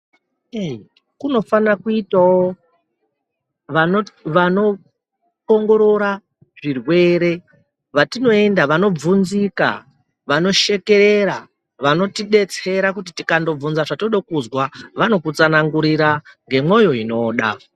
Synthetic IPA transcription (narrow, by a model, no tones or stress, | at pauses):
e | kuno̞fanrakuitawo | ʋanoʋano̞ | koŋɡo̞ɾo̞ɾa | ʐirwe̞ːɾe̞ | ʋatino̞e̞ndaʋano̞b͡vunzika̰ | ʋano̞ʃe̞ke̞ɾe̞ɾa | ʋano̞tiɗe̞t͡se̞ɾakut̬itikando̞b͡vunzaʐatoɗokuzwaʋano̞kut͡sanaŋɡuɾiɾaŋɡe̞mo̞jo̞ino̞ːɗa̰